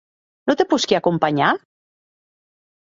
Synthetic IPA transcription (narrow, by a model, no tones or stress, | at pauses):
not̪epuskiakumpaɲa